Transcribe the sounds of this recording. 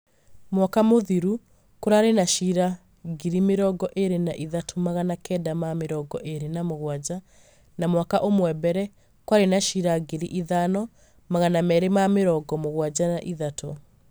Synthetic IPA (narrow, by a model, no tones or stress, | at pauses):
mwakamoðiɾu | koɾaːɾenaʃiɾa | ɡiɾimeɾɔɡɔʔeɾenaʔiðatʰomaɣanakɛːdamameɾɔɡɔʔeɾenamoɣwad͡ʑa | namwakaʔomwɛbɛɾɛ | kwaɾenaʃiɾaɡeɾiʔiðanɔ | maɣanamɛɾemameɾɔɡɔmoɣwad͡ʑanaʔiðatʰɔ